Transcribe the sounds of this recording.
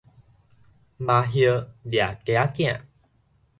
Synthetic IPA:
ma˧ɦjə˧lja˨ke˧a˦t̪ã̰˨

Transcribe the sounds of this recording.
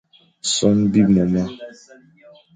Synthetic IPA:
sɔ˦n̩˦bi˦mɔ˨ma˦

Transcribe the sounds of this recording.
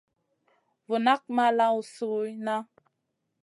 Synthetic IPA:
vu˨na˦k̚ma˦la˦u˨su˨˦na˦

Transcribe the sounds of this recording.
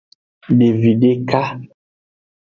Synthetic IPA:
de˨vi˨de˦ka˦

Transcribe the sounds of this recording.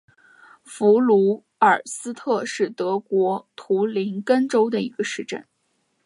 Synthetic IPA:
fu˧˥lu˧˥ | ə˞˨˩sɹ̩˥t̪ʰɤ˥˧ʂɻ̩˥˩t̪ɤ˧˥kwɔ˧˥t̪ʰu˧˥li˧˥nkə˥nʈ͡ʂo˥ʊd̪ə˨i˧˥ɡə˧ʂɻ̩˥˧ʈ͡ʂə̰˥˩n

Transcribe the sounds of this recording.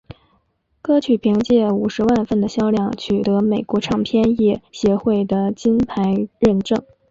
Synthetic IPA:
kɤ˥t͡ɕʰy˨˩pʰi˧˥ŋt͡ɕjɛ˥˩u˨˩ʂɻ̩˧˥wa˥˧nfə˥˩nd̪ə˩ɕjɑ˥ʊljɑ˥˩ŋt͡ɕʰy˨˩t̪ɤ˧˥me˨˩ɪkwɔ˧˥ʈ͡ʂʰɑ˥˩ŋpʰjɛ˥˧njɛ˥˩ɕjɛ˧˥xwe˥˩ɪd̪ə˩t͡ɕi˥npʰa˧˥ɪɻə˥˧nʈ͡ʂɤ˥˩ŋ

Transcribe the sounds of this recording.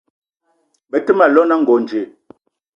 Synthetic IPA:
bə˨tə˦ma˨lɔ˦na˦ŋ̩˨ɡɔ˨n˨d͡ʒe˨

